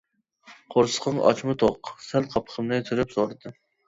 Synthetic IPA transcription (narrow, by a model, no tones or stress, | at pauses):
qʰoɾsə̥qʰəŋɑ̰t͡ʃmɨt̪ʰoqsɛlqʰɑpʰə̥χʰəmnɨt̪ʰyɾɪpsoɾɨd̪ɨ